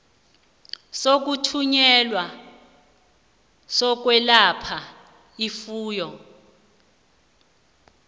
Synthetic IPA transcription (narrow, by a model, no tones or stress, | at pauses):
sok̬utʰuɲɛlwa | sɔk̬wɛlapʰa | ifuːjɔ